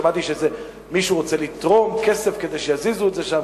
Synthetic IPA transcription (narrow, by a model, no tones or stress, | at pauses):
mat̪iʃeze | miʃuʁot͡selit̪ʁomkesefked̪ejʃejazizuetzeʃam